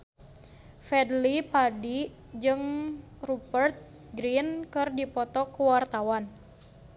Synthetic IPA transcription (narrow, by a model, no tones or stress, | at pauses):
fɛdlipadi | d͡ʒɨŋ | rupərt̪̚ | ɡɾinkɨrdipɔt̪ɔkəwart̪awan